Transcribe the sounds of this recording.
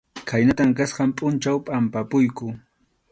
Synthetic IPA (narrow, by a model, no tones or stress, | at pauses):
kʰajnat̪amkasqɑmpʼʊnt͡ʃawpʼampapʊjkʊ